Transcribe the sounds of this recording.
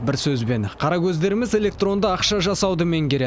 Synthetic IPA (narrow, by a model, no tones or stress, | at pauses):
bɪɾsɵzbe̞nqʰɑɾɑkʲʰɵzd̪e̞ɾɪmɪze̞lʲe̞k̚t̪ro̞nd̪əɑqʃɑʒɑssɑwd̪əme̞ŋkʲe̞ɾe